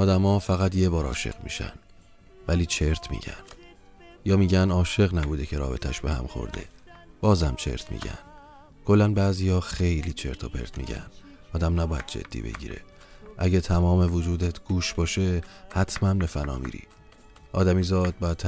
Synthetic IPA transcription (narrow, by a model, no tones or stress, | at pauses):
ɒːd̪æmɒːfæɣæt̪ʰje̞bɒːɾɒ̰ːʃe̞̰ɣmḭːʃæ̰n | væliːt͡ʃʰe̞ɾt̪ʰmḭːɟæ̰nd̪̥ | jɒːmiːɟænɒːʃe̞ɣnæbuːd̪e̞cʰe̞ɾɒ̰ːbe̞t̪ʰæʃbe̞hæ̰mxo̰ɾd̪e̞̰b̥ɒːzhæmt͡ʃʰe̞̰ɾt̪ʰmḭːɟæ̰nd̪̥ | kʰo̞lːænbæːziːjɒːxejliːt͡ʃʰe̞ɾt̪ʰopʰe̞̰ɾt̪ʰmḭːɟæ̰n | ɒːd̪æmnæbɒːjæ̰d̪̚d͡ʒḛd̪̥ːḭːbe̞̰ɟḭːɾe̞̰ | ʔæɟæt̪ʰæmɒːmevod͡ʒuːd̪et̪ʰɡ̥uːʃbɒːʃe̞hæt̪ʰmænlefænɒ̰ːmḭːɾḭː | ʔɒ̰ːd̪æmiːzɒːd̪̚bɒːjæt̪t̪ːʰ